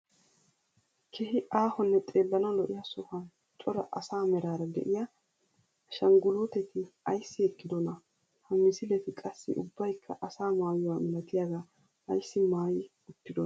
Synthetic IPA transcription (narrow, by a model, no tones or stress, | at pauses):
kʰɛhɪʔaːhɔnːɛt̪ʼe̞ːlːɐnɐwlɔʔɪjasʊhɐn | t͡ʃʼɔɾɐ̰ʔɐsaːmɛɾaːɾɐd̪ɛ̰ʔɪjaː | ʃɐŋɡʊluːt̪ɛt̪ɪɐjsːɪɛkʼːɪd̪ɔnɐ | hɐmɪzɪlɛt̪ɪkʼɐsːɪ̰ʔʊ̰bːɐjkʰːɐʔɐsaːmaːjɔwamɛlɐt̪ɪjaɡaː | ʔɐjsːɪmaːjɪ | ʊt̪ːɪd̪ɔn